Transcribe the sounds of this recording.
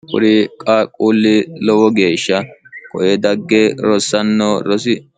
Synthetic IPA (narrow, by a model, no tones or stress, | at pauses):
kʼʊ̰ɾɪkʼaːkʼuːlːɪlɔwɔɡe̞ːʃːɐkʼɔʔɛd̪ɐɡːɛɾɔsːɐnːoɾɔsɪ